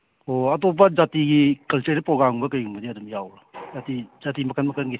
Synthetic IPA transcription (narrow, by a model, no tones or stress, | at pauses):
oɐtɔpɐzatiɡikɐlteɾpɾɔɡɾambɐkɐjɡumɡɐdiɐdumjawɾazatiz̥atimɐkʰanmɐkʰanɡi